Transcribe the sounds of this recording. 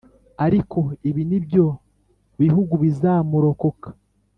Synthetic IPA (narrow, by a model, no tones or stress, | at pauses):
aɾikʰo̞iβinibjo̞ | βiɦuɡuβizaːmuɾo̞ko̞kḁ